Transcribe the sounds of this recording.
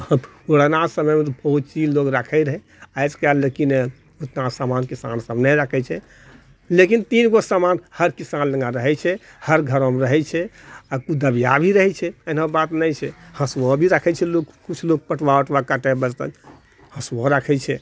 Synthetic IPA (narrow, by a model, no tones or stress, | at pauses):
əboɽənasəməjmet̪ɔbəɦut̪̚t͡ʃid͡ʒloɡɾakʰɛɾəɦɛ | ajskaləkine | ot̪nasamankisa̰nsəbnɛɾəkʰɛt͡ʃʰɛ | lekint̪inɡosamanhəɾkisanlə̃ŋɡãɾəɦɛt͡ʃʰɛ | həɾɡʱəɾõmɾəɦɛt͡ʃʰɛakud̪əbijabʱiɾəɦɛt͡ʃʰɛənabat̪nəjt͡ʃʰɛhəswɔbʱiɾəkʰɛt͡ʃʰɛlokkut͡ʃʰloɡ̚pəʈʰʋaəʈʰʋakaʈɛbəd͡ʒt̪ə̰n | hə̃swɔɾəkʰɛt͡ʃʰɛ